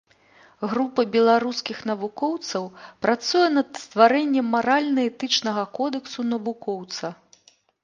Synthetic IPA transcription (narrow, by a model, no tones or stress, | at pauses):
ɣɾupɐbʲɛlˠaɾuskʲixn̪ɐvukɔwt̪sɐwpɾat̪sujɛnɐd̪st̪vaɾɛnʲːɛmːaɾalʲnɐɛt̪ɨt͡ʂnɐɣɐkɔd̪ɛksunɐvukɔwt̪sɐ